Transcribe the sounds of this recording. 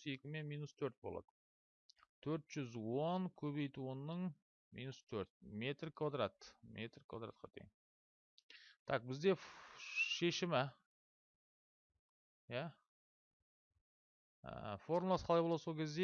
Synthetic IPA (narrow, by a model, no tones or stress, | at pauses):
se̞kʲɪme̞nmijnust̪ʰɵɾt̪̚bo̰lˠɑ̰d̪̥ə | t̪ʰɵɾt̪ʒ̥ʏzwo̞ŋkʲʰɵβe̞jt̪uwonːəɴ | mijnust̪ʰɵɾt̪me̞t̪rkʰvad̪ɾat̪mʔet̪rkʰva̰d̪ɾa̰t̪̚qʰɑ̰t̪ʰejŋ | t̪ʰɑq̚bɪzd̪e̞ | ʃe̞ʃɪmɪ | jæ | ə̰foɾmlˠɑsqʰɑlˠɑjboɑd̪so̞lkʲʰezd̪e